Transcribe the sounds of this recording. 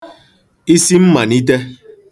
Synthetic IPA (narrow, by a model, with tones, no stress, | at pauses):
i˦si˦m̩˦ma˨ni˦t̬e˦